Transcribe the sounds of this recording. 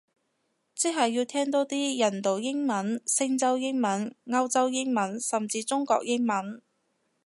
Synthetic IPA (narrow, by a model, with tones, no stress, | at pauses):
t͡si˥ɦɐ˨jːiː˧wt̪ʰɛː˥ŋt̪o˥t̪iː˥jɐ˨˩nt̪o˨˩wjɪ˥ŋmɐ˨˥nsɪ˥ŋt͡sɐ˥wjɪ˥ŋmɐ˨˥nŋɐ˥wt͡sɐ˥wjɪ˥ŋmɐ˨˥nsɐ˨mt͡siː˧t͡sʊ˥ŋkɔ̰ː˧k̚jɪ˥ŋmɐ˨˥n